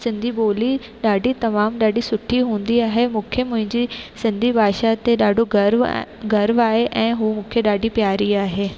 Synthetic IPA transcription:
sɪ̃nd̪ʱiɓoːli | ɗaːɖit̪ɐmaːmɗaːɖʱisʊʈʰiɦũːn̆d̪iaːɦemũːkʰemʊ̃ɦɪ̃ɲd͡ʑisɪ̃nd̪ʱibʱaːʃat̪eɗaːɖʱoɡɾʋɡɐɾʋaːɦeʔɛ̃ːɦuːmũːkʰeɗaːɖʱipjaːɾiaːɦeː

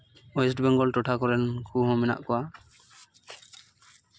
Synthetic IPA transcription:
ɔjɛsʈbɛŋɡɔlʈɔʈʰakɔɾɛnkʰuɦɔ̃mɛna̰ʔkɔwa

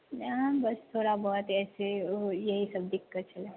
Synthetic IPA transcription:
bəst̪ʰoːɾabɔɦt̪ɛːsejəɦisəb̚dikːət̪̚t͡ʃʰəle

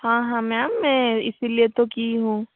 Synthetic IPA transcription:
hãːɦãːmɛ̃amɛ̃ɪsiliet̪okiɦũː

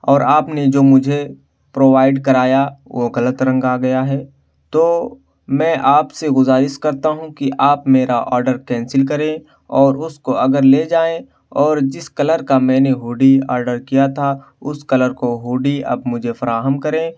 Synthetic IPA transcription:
ɔːɾaːpned͡ʒoːmʊd͡ʒʱe | pɾoːʋaːɪɖkɐɾaːjaʋoɣɐlət̪ɾə̃ŋɡaɡɐjaɦɛː | t̪oː | mɛ̃ːʔaːpseɡʊzaːɾɪʃkɐɾt̪aɦũkiʔaːpmeːɾaʔɔ̰ːɾɖəɾkɛ̃ːnsɪlkɐɾẽ | ɔːɾʊskoɐɡəɾleːd͡ʒaːẽ | ɔːɾd͡ʒɪskɐləɾkamɛ̃ːneɦoːɖiɔ̰ːɾɖəɾkijat̪ʰa | ʊskɐləɾkoɦoːɖiɐ̰b̚mʊd͡ʒʱefɐɾaːɦəmkɐɾẽː

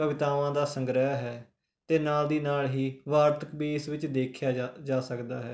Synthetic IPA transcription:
əʋɪt̪aːʋãːd̪aːsəŋɡɾəaɦɛː | t̪eːnaːld̪iːnaːlɦiːʋaːɾt̪ʰəkbiːsʋɪt͡ʃd̪eːkʰjaːd͡ʒaːsəkd̪aːɦɛː

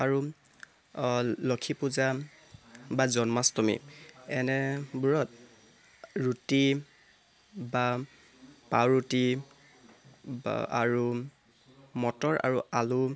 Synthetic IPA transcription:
aɹu | lɔkʰipuza | bazɔnmastɔmḭɛnɛbuɹɔt̚ | ɹuti | ba | pawɹuti | a̰ɹu | mɔtɔɹʔa̰ɹualu

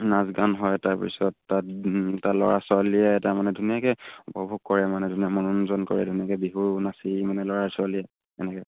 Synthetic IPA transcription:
nazɡanɦɔjtaɹpḭsɔtːattalɔɹaswalijɛtaɹmanɛdʱunijakɛupɔbʱuɡ̚kɔɹɛmanɛdʱunijamɔnɔnzɔnkɔ̰ɹɛ̰dʱunijakɛbiɦunasimanɛlɔɹaɹsaliɛ | ɛnɛkɛ

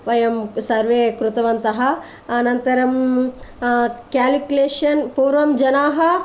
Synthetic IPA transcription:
ʋɐjɐmsɐɾʋeːkɾut̪ɐʋɐnt̪ɐɦɐ | ɐnɐnt̪ɐɾɐm | kaːlikuleːʂɐnpuːɾʋɐmd͡ʒɐnaːɦɐ

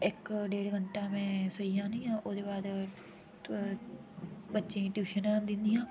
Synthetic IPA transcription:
ɪkɖeːɽɡəɳʈaːmẽːsəiːjãːnĩːãːʔoːd̪eːbaːd̪ | bətːʃẽːʈjuːʃənãːd̪ɪ̃nd̪ijãː

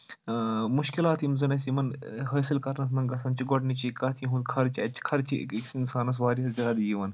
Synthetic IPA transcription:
muʃkilaːt̪imzɐnɐsimɐnɦɐːsilkɐɾnɐs̬mɐnɡɐsɐnt͡ʃʰiɡoʈnit͡ʃʰikɐt̪ʰiɦũnkʰɐɾt͡ʃʰiɐt͡ʃʰi̥kʰɐɾt͡ʃʰḭkiksinsaːnɐs̬ʋaːɾiɦɐszɐɾɐd̪ijiʋɐn

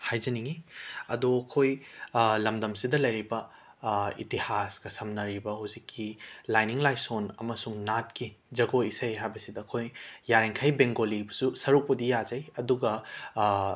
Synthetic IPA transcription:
hajzɐniŋiɐ̰duɐkʰojlɐmdɐmsidɐlɐjɾibɐ | ḭtihasɡɐsɐmnɐɾibɐhuzikʰːilajniŋlajsonɐmɐsuŋnat̚ki | d͡ʒɐɡoisɐjɦajbɐsidɐːkʰojjaɾeŋkʰajbeŋɡolibɐsusɐɾuk̚pɐdijazɐjɐduɡɐ

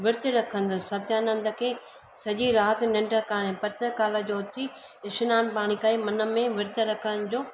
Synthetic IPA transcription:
ʋɪɾt̪ɪɾɐkʰə̃nd̪ʊsɐt̪jaːnɐ̃nd̪ə̆kʰeː | sɐʄiɾaːt̪nɪ̃ɳɖəkaːɽ̃ẽpɐɾt̪əkaːləd͡ʑoːt̪ʰi | ɪʃɪnaːnpaːɽ̃ikaːimɐnə̆mẽʋɪɾt̪ɪɾɐkʰəɽ̃̆d͡ʑoː

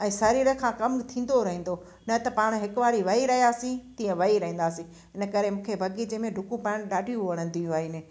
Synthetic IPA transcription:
ɛ̃ːsɐɾiːɾəkʰãːkɐmt̪ʰĩːn̆d̪oɾɐɦĩnd̪o | nɐt̪ɐpaːɽ̃ɦɪkʊʋaːɽiʋɐɦiɾɐɦijaːsĩt̪ĩːə̃ʋɐɦiɾɐɦĩːn̆d̪aːsĩ | ɪnə̆kɐɾemũːkʰebʱɐɡid͡ʑemẽɖʱʊkũpaːɪɽ̃ɗaːɖʱijũʋɐɽ̤ə̃n̆d̪ijũaːɦɪnɪ

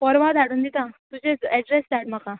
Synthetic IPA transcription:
pɔɾʋad̪ʱaɽund̪it̪ãt̪ud͡ʑeɛɖɾesd̪aʈmakã

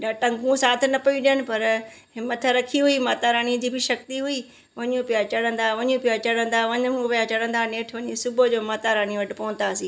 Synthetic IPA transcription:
ɗaʈɐ̃ŋɡũsaːt̪ʰɪnɐpɐĩɗɪjənɪ̆pɐɾ | ɦɪmət̪ʰɾɐkʰiɦuimaːt̪aɾaːɽĩd̪iːbʱɪʃɐk̚t̪iɦui | ʋɐɲũpɪjat͡ɕɐɽə̃nd̪aʋɐɲũpijat͡ɕɐɽə̃nd̪aʋɐɲpɐjat͡ɕɐɽə̃n̆d̪aneːʈʰʋɐɲisʊbod͡ʑoːmaːt̪aɾaːñiʋɐʈɪpɐʋənt̪aːsiː

